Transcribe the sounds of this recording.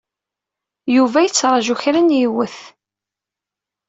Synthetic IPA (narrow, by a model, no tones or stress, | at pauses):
juvæjət͡sːɾˤɑʒuçɾænjiwəθ